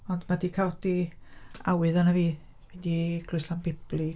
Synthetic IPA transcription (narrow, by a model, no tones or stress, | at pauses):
ɔndmadiːkʰaɔdi | awɨðanaviː | vɛdiɡ̥lʊjsanbɪb̥lˠi